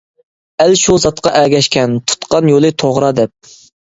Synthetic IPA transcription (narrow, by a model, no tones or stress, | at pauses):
ælʃuzɑt̪qɑʔæɡʲɛʃkʲʰɛnt̪ʰu̥t̪qɑnjolˠɨt̪ʰoʁɾɑd̪ɛp̚